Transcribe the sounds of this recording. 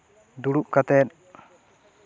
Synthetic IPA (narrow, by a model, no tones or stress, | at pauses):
d̪uɽup̚kat̪ɛt̪̚